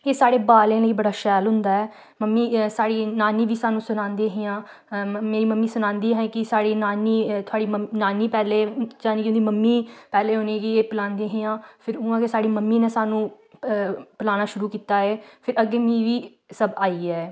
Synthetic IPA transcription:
eːsaːɽeːbaːlẽːləiːbəɽaːʃɛːlɦʊnd̪aːɛː | məmːiːsaːɽiːnaːniːʋiːsaːnũːsʊnãːnd̪eːɦɪjãː | meːɾiːməmːiːsʊnãːnd̪iːɦɛ̃ːkɪsaːɽiːnaːniːt̪ʰʊaːɽiːmənaːnːiːpɛːleːd͡ʒaːneːkɪʊ̃nd̪iːməmːiːpɛːleːɦʊːnẽːɡiːeːpəlãːnd̪eːɦɪjãːpʰɪɾʊ̃ãːkesaːɽiːməmːiːnẽːsaːnũː | pəlaːnaːʃʊɾuːkiːt̪aːeːpʰɪɾəɡeːmĩːʋiː | səbaːiːɛː

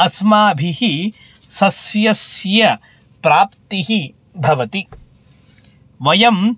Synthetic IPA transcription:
ɐsmaːbʱihi | sɐsjɐsjɐ | pɾaːpt̪iɦi | bʱɐʋɐt̪i | ʋɐjɐm

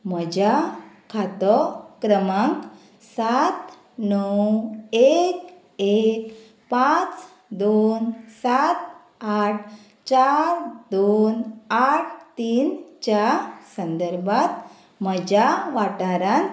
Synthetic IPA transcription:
m̤əd͡ʑakʰat̪ɔkɾəmãŋk | sat̪ | nəwek | ek | pat͡s | d̪onsat̪̚ | aʈ̚ʰ | t͡ɕaɾd̪onaʈʰt̪iːnt͡ɕasənd̪əɾbʱat̪ | məd͡ʑaʋaʈaɾan

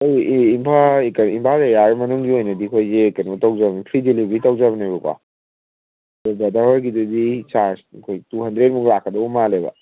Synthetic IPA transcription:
ojimpʰakɐimpʰazajaɾmɐnuŋɡiojnɐdikʰojzekɐnutawzabnpʰɾidilibitawzaβɐnebɐkwa̰ | dɔbɐdaɔɾɡidɐdisaɾskʰojtuɦɐndɾet̚muŋlakʰːɐdɐwbumalebɐ̰

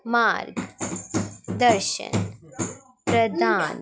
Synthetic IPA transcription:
maːɾɡ | d̪əɾʃə̰n | pɾɐd̪aːn

